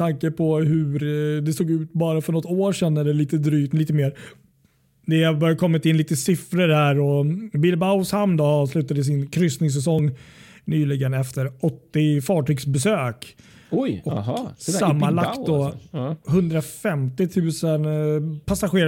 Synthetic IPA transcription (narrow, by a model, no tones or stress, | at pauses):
t̪ʰaŋkəpʰɔɦɵɾd̪ɛsoːɡʉ̟ːt̪bɑːɾafœɳɔt̪ːoːʂɛnːɛlːəliːt̪əd̪ɾyːt̪liːt̪əmeːɾ | d̪ɛbœɾjakʰɔmːɪt̪ɪnliːt̪əsɪfɾəɾhæːɾɔbɪlbaʊshamnd̪ɔɑːvslʉ̟ːt̪ad̪əs̬ɪnkʰɾʏsnɪŋs̬ɛs̬ɔŋː | nyːlɪɡənɛft̪əɾɔt̪ːɪfɑːʈʰyːɡsbɛsøːk | jɔksamːalakt̪d̪ɔhɵnd̪ɾafɛmt̪ɪt̪ʰʉ̟ːsənpʰasaɧeːɾ